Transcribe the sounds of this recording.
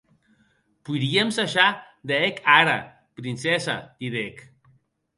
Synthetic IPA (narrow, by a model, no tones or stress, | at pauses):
pujɾiemsaʃa | d̪eekʰaɾa̰ | pɾinsɛsa̰t̪iðek